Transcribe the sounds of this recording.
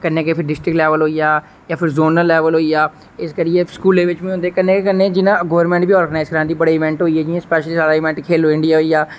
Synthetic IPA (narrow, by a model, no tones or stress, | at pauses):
kənːeːkeːpʰɪɾɖɪsʈɾɪklɛːʋəlɦoːijaː | jãːpʰɪɾzoːnəlɛːʋəlɦoːiaː | ɪskəɾieːskuːleːʋɪt͡ʃbĩːõnd̪eːkənːeːkekənːẽːd͡ʒɪnãɡɔːʋəɾmɛ̃ɳʈbiːɔːɾɡənaːɪzkəɾãːnd̪iːbəɽeːɪʋɛ̃ɳʈɦoːiːɦɛːd͡ʒɪãspɛːʃliːsaːɾaːɪʋɛ̃ɳʈkʰeːloːɪ̃ɳɖijaːɦoːijaː